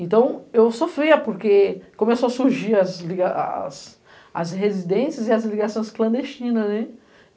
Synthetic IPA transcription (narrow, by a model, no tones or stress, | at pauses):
ẽnt̪ɐ̃w̃ewsofɾejɐpoɾkekõmesoɐsuɾʒiɾɐzliɡaa̰s | ɐ̰shezid̪ẽsijɐzɪɐzliɡasõj̃sklɐ̃nd̪est͡ʃĩnɐznɛ